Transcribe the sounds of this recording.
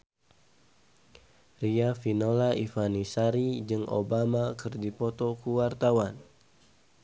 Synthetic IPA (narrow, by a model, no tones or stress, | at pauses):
riafinolaifanisaɾid͡ʒɨŋʔo̰bamakɨrdipɔt̪ɔkuwart̪awan